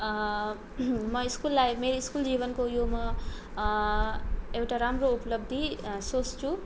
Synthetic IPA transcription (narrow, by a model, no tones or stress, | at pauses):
mʌiskulːajmeɾiiskuld͡zibʌnkojomʌ | ewʈaɾamroupʌlʌb̚d̪ʱisost͡sʰũ